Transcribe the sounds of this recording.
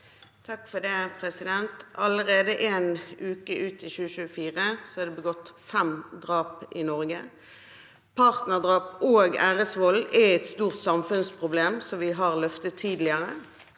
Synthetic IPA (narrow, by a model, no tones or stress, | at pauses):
t̪ʰɑkfɔd̪ɛpʰʁɛsɪd̪ɛnt̪ɑləʁeːd̪əʔeːnʉːkəʔʉːt̪ʰɪçʉːəʃʉːəfiːʁəsɔhɑd̪ɛbəɡɔt̪ːfɛmd̪ʁɑːpɪnɔʁɡə | pʰɑːʁt̪nəʁd̪ʁɑːpoːɡæːɾəsʋɔlɛɛt̪st̪uːʁt̪sɑmfʉnspʰʁʊbleːmsɔʋɪɦɑʁlœft̪ət̪ʰːiːd̪lɪəʁə